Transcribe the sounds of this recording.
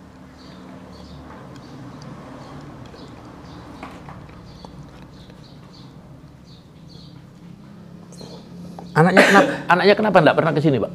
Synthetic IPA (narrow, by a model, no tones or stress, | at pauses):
anak̚ɲakənapaanak̚ɲakənapandaʔpərnakəs̬inibaʔ